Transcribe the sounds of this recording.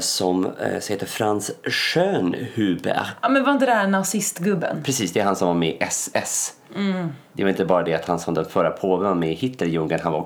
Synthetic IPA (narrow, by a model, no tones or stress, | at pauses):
sɔmsɔheːt̪ːəɾfɾansʂøːnhʉːbə̰ɑːmɛnvaɾɪnt̪əd̪ɛæænasɪst̪ɡɵbːə̰npɾɛsiːsd̪ɛɛɾhɦansɔmvaɾmɛʔɛsɛs | d̪ɛvaɪnt̪əbɑːɾad̪ɛat̪hansɔmd̪ɛnfœɾapʰoːvəvaɾmɛhɪt̪ʰləɾjɵŋɡənɦanva